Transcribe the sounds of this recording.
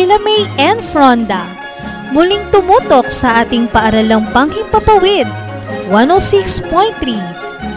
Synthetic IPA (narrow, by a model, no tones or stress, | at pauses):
ɪlɐmɐjʔɛnfɹond̪ɐ | mʊlɪŋt̪ʊmuːt̪ok̚sɐʔaːt̪ɪŋpɐʔɐɾɐlɐŋpɐŋkɪŋpɐpɐwɪd̪̚ | wanosikspɔjnt̪ɾi